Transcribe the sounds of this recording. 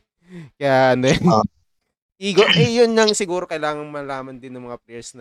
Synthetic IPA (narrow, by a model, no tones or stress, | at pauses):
kɐjaːʔɐnojn | ʔiːɡoʔɛjʊnɲɐŋsɪɡuːɾo̞kɐjlaːŋɐŋmɐlaːmɐnd̪ɪnːʊŋmɐŋapɾɛɹsnɐ